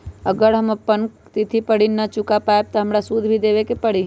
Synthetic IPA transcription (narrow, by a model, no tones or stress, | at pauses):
əɡəɾɦəmɐpːən | t̪it̪ʰipəɽinɐt͡ʃʊkapaːeb̚t̪ɔɦɐmɾasuːd̪ʱbʱid̪eːʋekepəɽ̤i